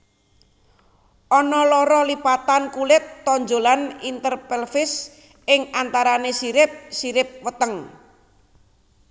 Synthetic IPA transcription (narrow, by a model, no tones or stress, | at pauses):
ʔɔnɔlɔɾɔlipat̪ankulɪt̪ːɔɲd͡ʒolanint̪ərpɛlfɪs | ɪŋant̪aɾanesiɾɪp̚siɾɪp̚wət̪əŋ